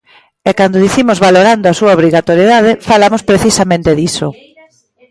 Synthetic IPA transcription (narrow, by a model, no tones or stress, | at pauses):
ɛkand̪oðiθimʊzβaloɾand̪oasuaoβɾiɣat̪oɾjeðað̞ɪfalamospɾeθisamẽnt̪eðiso